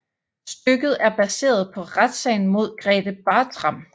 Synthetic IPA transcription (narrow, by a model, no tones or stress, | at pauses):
sd̥øɡ̥ð̞̩ˠæɐb̥æse̝̰ːɐð̞̩ˠpʰɒ̽ʁad̥sɛ̰ɪn̩mo̝ð̞̰ˠɡ̥ʁɛːd̥əb̥ɑ̈ːt͡sʰʁɑ̈m̰